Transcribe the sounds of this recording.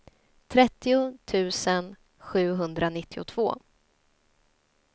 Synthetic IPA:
t̪ʰɾɛt̪ːɪʊt̪ʰʉ̟ːsən | ɧʉ̟ːɦɵnd̪ɾanɪt̪ʰːɪʊ̰t̪ʰv̥oː

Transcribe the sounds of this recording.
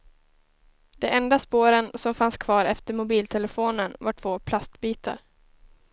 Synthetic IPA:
d̪̥ɛɛnd̪aspoːɾənsɔmfanskʰvɑːɾɛft̪əɾmʊbiːlt̪ʰɛləfoːnənvaʈʰv̥oːpʰlast̪biːt̪ʰa̰ɾ

